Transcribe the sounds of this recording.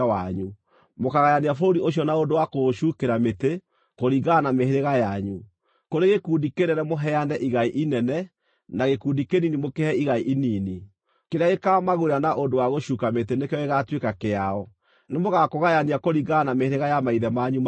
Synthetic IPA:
awaɲu | mokaɣajaniafooɾioɕ̬jɔnaondowakoʃuːkeɾamete | koɾiɣanameɦeɾeɣajaɲu | koɾeɣekuːndikenɛnɛmoɦɛanɛʔiɣaiʔinɛnɛ | naɣekuːndikeninimokehɛiɣaiʔiniːni | keɾeaɣekamaɣoɾeanaʔondowaɣoʃuːkametenekɛɔeɣatwekakeaɔ | nemoɣakoɣajaniakoɾiɣanameheɾeɣajamaiðɛmaɲum

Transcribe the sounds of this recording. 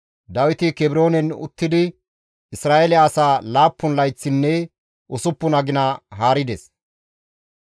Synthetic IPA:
d̪ɐwɪt̪ɪkɛbɪɾo̞ːnɛnʊ̰t̪ːɪd̪ɪ | ɪsɾaːʔelɪɐːsaːlaːpːʊnlɐjt͡sːɪnːɛ | ʔʊsʊpːʊnɐɡɪnɐɦaːɾɪd̪ɛs

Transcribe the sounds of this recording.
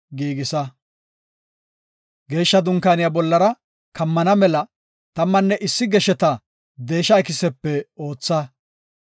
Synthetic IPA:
ɡiːɡɪsɐ | ɡe̞ːʃːɐd̪ʊŋkaːnɪjabɔlːɐɾɐ | kɐmːɐnɐmɛlɐ | t̪ɐmːɐnːɛʔɪsːɪɡɛʃɛt̪ɐ | d̪e̞ːʃɐɐkɪsɛpːɛo̞ːt͡sːɐ

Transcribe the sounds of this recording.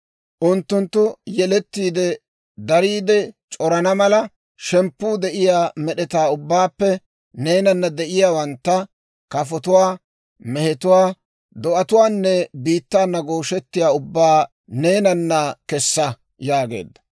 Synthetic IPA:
ʔʊnt̪ːʊnt̪ːʊjɛlɛt̪ːiːd̪ɛ | d̪ɐɾiːd̪ɛt͡ʃʼɔɾɐnɐmɐlɐ | ʃɛmpːuːd̪ɛʔɪjaːmɛɗɛt̪aːʊbːaːpːɛ | ne̞ːnɐnːɐd̪ɛʔɪjaːwɐnt̪ːɐ | kɐfɔt̪ʊwaː | mɛhɛt̪ʊwaː | d̪ɔʔɐt̪ʊwaːnːɛbiːt̪ːaːnːɐɡoːʃɛt̪ːɪjaːʊbːaː | ne̞ːnɐnːɐkɛsːɐ | jaːɡḛːd̪ːɐ̥

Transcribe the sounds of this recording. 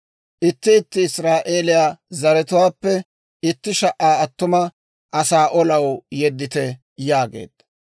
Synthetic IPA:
ʔɪt̪ːɪɪt̪ːɪɪsɾaːʔeːlɪjaːzɐɾɛt̪ʊwaːpːɛ | ɪt̪ːɪʃɐʔːaːɐt̪ːʊmɐ | ʔɐsaːʔɔlɐwjɛd̪ːɪt̪ɛ | jaːɡḛːd̪̥ɐ

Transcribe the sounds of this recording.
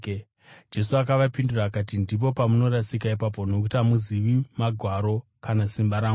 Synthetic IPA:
d͡ʒe̞suakaʋapinduraːkat̬indip̬o̞pamuno̞ɾasikaipap̬o̞nokutamuziʋimaɡʱwaɾo̞kanasimbaɾaː

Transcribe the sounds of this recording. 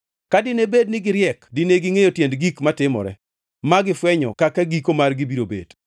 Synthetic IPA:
kadɪnebednɪɡɪɾjɛkdineɡɪŋejotjendɡikmatɪmɔ̰ɾɛ̰ | maɡɪfwɛɲɔ̰kakaɡikomarɡibiɾobḛd̥

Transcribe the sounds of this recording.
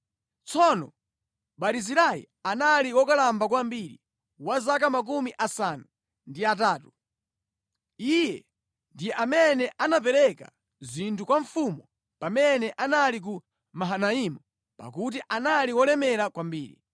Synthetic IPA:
t͡sʰɔnɔ̰ | ɓaɾiziɾaḭ | analiwɔkalambak̬wambiɾḭ | wazak̬amak̬umiʔasanu | ndiataːtu | ijɛ | ndijɛʔamɛnɛʔanap̬ɛɾɛka̰ | zintʰukwaɱfumɔ | pamɛnɛʔanalik̬u | maɦanaimu | pa̰k̬ut̬iʔanaliwɔlɛmɛɾakwambḭːɾḭ

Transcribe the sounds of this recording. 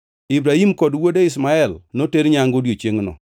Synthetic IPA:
ibɾahimkɔdwodeɪs̬maɛlnoteɾɲaŋɡodjot͡ʃeŋnɔ̰

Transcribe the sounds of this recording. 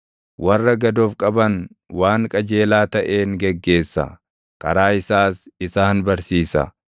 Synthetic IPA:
wʔɐrːɐɡɐd̪oːfkʼɐbɐn | waːŋkʼɐd͡ʒe̞ːlaːt̪ɐʔe̞ːŋɡɛɡːe̞ːsːɐ̰ | kʼɐɾaːɪsaːsɪsaːnbɐɾsiːsɐ̰

